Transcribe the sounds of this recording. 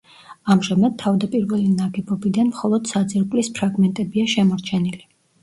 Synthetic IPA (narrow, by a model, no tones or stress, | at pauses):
amʒamad̪̚t̪ʰːavd̪apʼiɾvɛlinaɡɛbɔbid̪anmχɔlˠɔd̪̥sad̪ziɾkʼlispʰɾaɡmɛnt̪ʼɛbiaʃɛmɔɾt͡ʃʰɛnili